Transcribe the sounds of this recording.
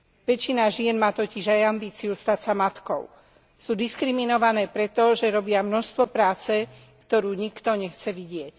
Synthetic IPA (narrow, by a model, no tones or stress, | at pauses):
ʋɛt͡ʃːinaʒɪɛnmaːt̪ɔciʒajambiːt͡sijust̪acsamat̪kɔ̰ʊ | suːd̪iskɾiminɔʋanɛːpɾɛt̪ɔʒɛɾɔbɪamnɔʃst̪ʋɔpɾaːt͡sɛ | kt̪ɔɾuːɲikt̪ɔɲɛxt͡sɛʋiɟɪɛc